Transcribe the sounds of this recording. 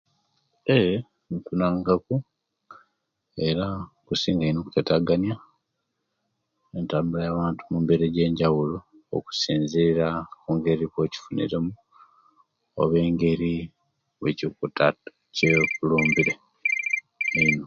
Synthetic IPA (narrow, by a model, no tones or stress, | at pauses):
e | ntunaːŋɡaku | e̞ɾakusiːŋɡainokketaɡanja | entambulajaβaːntumumbe̞ɾeɟe̞ːɲɟawulo | o̰ku̥siːnziɾakuŋɡe̞ɾikoci̥funḭɾe̞mu | o̰βe̞ːŋɡe̞ɾi | wḛcikuta | cekuluːmbiɾe | eino